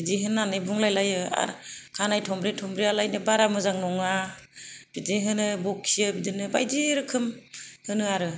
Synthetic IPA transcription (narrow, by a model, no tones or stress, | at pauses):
bidiɦɯnːanɯbuŋlajlajɯa̰ɾkʰanajtʰɔmbɾetʰɔmbɾialajnɯbaɾamɯzaŋnɔŋa | b̥ideɦɯnɯbɔkʰːijɯbidinɯba̰jdiɾɯkʰɯmhɯnɯaɾɯ